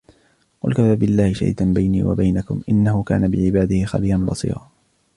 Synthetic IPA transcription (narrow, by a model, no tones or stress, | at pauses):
qʊ̰lkafaːbɪlːaːhɪʃa̰ḭːt̪anbajnḭːwa̰bajnakʊmʔɪnːahʊka̰ːnabɪʕɪbaːd̪ɪhɪxabiːɾanbɑ̰sˤḭːɾɑː